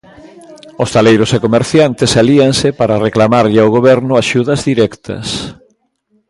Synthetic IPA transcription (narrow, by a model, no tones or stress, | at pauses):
ʊst̪alejɾʊsekomeɾθjant̪esaliaŋsɪpaɾɐareklamaɾʎɪaʊɣ̞oβɛɾnʊaʃuðɐzðiɾɛkt̪ʰɐ̰s